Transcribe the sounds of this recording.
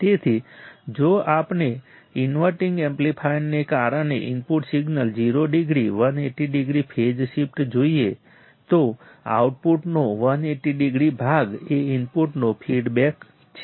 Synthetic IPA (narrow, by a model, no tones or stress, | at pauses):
t̪et̪ʰid͡ʒoapne | ɪnʋəɾʈɪ̃ŋɡẽmplipʰajnːekaɾəɳeʔɪnpuʈsiɡnəld͡ʒiɾoɖiɡɾiʋəneʈiɖiɡɾipʰed͡ʒʃip̚ʰʈd͡ʒoie | t̪o | a̰wʈ̚puʈnoʋəneʈiɖiɡɾibʱaɡeɪnpuʈnopʰiɖbɛk | t͡ʃʰe